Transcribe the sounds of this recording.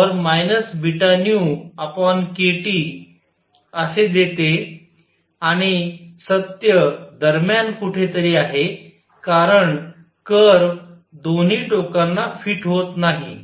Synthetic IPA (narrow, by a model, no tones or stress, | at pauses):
əɾmajnəsbiʈanijuapənkeʈiː | əsed̪et̪e | aɽ̃isət̪jəd̪əɾmjankuʈʰet̪əɾiːaɦe | kaɾəɳ | kəɾʋ | d̪on̤iːʈokanːafiːʈɦot̪naɦḭ